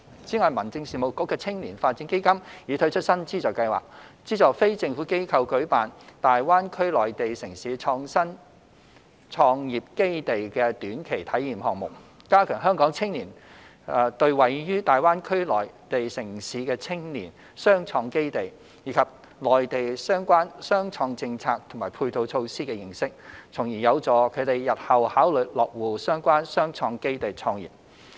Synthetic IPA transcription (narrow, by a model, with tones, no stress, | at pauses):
t͡siː˨˥ŋɔː˨˧jmɐ˨˩nt͡sɪ˧ŋsiː˨˩mo˨˩wkɔː˨˥kːɛː˧t͡sʰɪ˥ŋniː˨˩nfaː˧t̚t͡siː˨˥nke˥jkɐ˥mjiː˨˧t̪ʰɵ˧˥ɥt͡ʃʰɵ˥t̚sɐ˥nt͡siː˥t͡sɔː˨jkɐ˧jwa̰ː˨k̚t͡siː˥t͡sɔː˨˩kfe˥jt͡sɪ˧ŋfuː˨˥ke˥jkʰɐ˧wkɵ˨˥ɥpaː˨nt̪aː˨jwaː˥nkʰɵ˥ɥlɔː˨˩jt̪e˨jsɪ˨˩ŋsiː˨˧t͡ʃʰɔː˧ŋsɐ˥n | t͡ʃʰɔː˧ŋjiː˨p̚ke˥jt̪e˨jkɛ˧t̪yː˨˥nkʰe˨˩jt̪ʰɐ˨˥jːiː˨˩mhɔː˨ŋ̚mʊ̰˨˩k̚ | kaː˥kʰœː˨˩ŋɦœː˥ŋkɔː˨˥ŋt͡sʰɪ˥ŋniː˨˩n˨ | t̪ɵ˧ɥwɐ˨˩jjyː˥t̪aː˨jwaː˥nkʰɵ˥ɥlɔː˨˩jt̪e˨jsɪ˨˩ŋsiː˨˥kɛː˧t͡sʰɪ˥ŋniː˨˩n | sœː˥ŋt͡ʃʰɔː˧ŋke˥jt̪e˨˩j | jiː˨˥kʰɐ˨p̚ | lɔː˨˩jt̪e˨jsœː˥ŋkʷaː˥nsœː˥ŋt͡ʃʰɔː˧ŋt͡sɪ˧ŋt͡sʰaː˧k̚t̪ʰʊ˨˩ŋmaː˨˩pʰuː˧jt̪o˧wt͡ʃʰo˧wsiː˥kɛ˧jɪ˨˩ŋsɪ˥k̚t͡sʰʊ˨˩ŋjiː˨˩jɐ˨˧wt͡sɔː˨˧kʰɵ˨˧t̪e˨jjɐ˨t̚hɐ˨whaː˨˥wlɵ˨˩lɔː˨k̚wuː˨˩sœː˥ŋkʷaː˥nsœː˥ŋt͡ʃʰɔː˧ŋke˥jt̪e˨jt͡sʰɔː˧ŋjḭː˨˩p̚